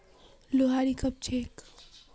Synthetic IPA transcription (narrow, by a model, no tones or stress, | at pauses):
loɦaɾikəp̚t͡ʃʰek